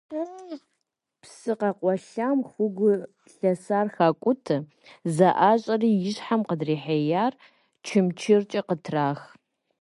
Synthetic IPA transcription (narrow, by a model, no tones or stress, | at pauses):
a | psɨqɑqʷʼɔɬamxʷʊɡʷʊ | ɬɐsaːrxaːkʷʼʊtʰɨ | zɐʔaːɕʼɐriːjɪɕħamqədriːħejaːr | t͡ʃʰɪmt͡ʃʰɪrt͡ʃʼɐqətʰraːx